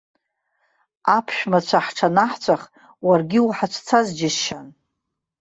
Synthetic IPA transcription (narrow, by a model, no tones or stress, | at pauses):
apʰʃᶣmat͡ɕʷʰaħʈ͡ʂʰanaħt͡sʷʰaχ | warɡʲɪuħat͡ʃʷʰt͡sʰazd͡ʒɪsʃan